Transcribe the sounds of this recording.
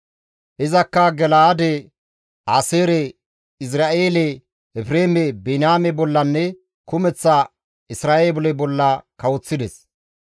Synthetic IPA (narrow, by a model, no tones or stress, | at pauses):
ʔɪzɐkːɐɡɛlaːd̪ɛ | aːseːɾɛ | ɪs̬ɾaːʔeːlɛ | ɛfɾeːmɛbenaːmɛbɔlːɐnːɛ | kʊmɛt͡sːɐ | ɪsɾaːʔeːbɔlɛbɔlːɐkɐwɔt͡sːɪd̪ɛs